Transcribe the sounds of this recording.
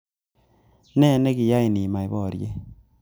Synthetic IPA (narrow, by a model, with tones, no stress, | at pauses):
nɛ˦˨ne˦kɪ˨ja˦i˨ni˨ma˨ɪ˨˦βɔ˦˨ɾje˦